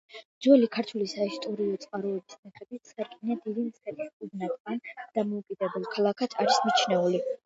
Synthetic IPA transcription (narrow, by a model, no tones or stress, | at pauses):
d͡ʒɔlikʰaɾt̪ʰwulisaist̪ʼɔɾiɔt̪sʼqʼaɾɔɛbisnaχɛbit̪sʰʼaɾkʼniad̪id̪int̪sχɛt̪ʰʼiskʼuɡnat̪ʼand̪̥amɔukʼid̪ɛbɛlˠkʰalˠakʰat̪ʰaɾismit͡ʃʰnɛuli